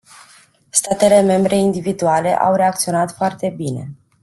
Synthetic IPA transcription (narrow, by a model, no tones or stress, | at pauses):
st̪at̪e̞le̞me̞mbɾe̞ind̪ivid̪uale̞̰ʔa̰wre̞ak̚t̪sio̞nat̪foart̪e̞bine̞̰